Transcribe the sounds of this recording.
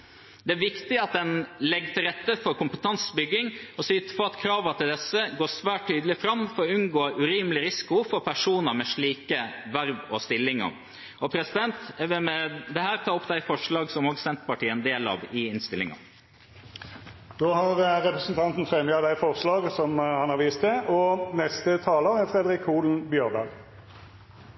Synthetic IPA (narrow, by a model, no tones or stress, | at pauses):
d̪ɛæɾʋɪkt̪ɪɑt̪̚d̪ɛnlɛɡːt̪ʰɪlɾɛt̪ːəfɔɾkʊmpət̪ʰɑnsbʏɡːɪŋɔsyːt̪ə̥pɔɑt̪kʰɾɑːʋət̪ʰɪld̪ɛsːəɡoːsʋæːʈ̚t̪ʰyːd̪əlɪfɾɑmːfɔɾɔʉnɡoːʉɾiːməlɪɾɪsɪ̥kʊfɔɾpʰæʂuːnəɾmɛʂɭiːkəʋæɾʋɔst̪ɪlːɪŋɑ̰ | ɔpʰɾɛsɪd̪ɛnt̪ːʋɪmɛd̪ɛhæːɾt̪ʰɑːʊpːd̪æɪfɔʂɭɑːɡsɔmoːɡsɛnt̪pɑʈiːəɛnd̪eːlɑ̰ːʋɪɪnst̪ɪlɪ̰ŋɑ̰ | d̪̥oːhɑʁɾɛpɾɛsnt̪ʰɑnt̪n̩fɾɛməɑd̪æɪfɔʁslɑːɡsɔmhɑnhɑɾʋiːst̪ɛʔɔnɛst̪ət̪ʰɑːləæɾfɾɛd̪əɾɪkʰːuːln̩bjøːʁb̪ɑɡ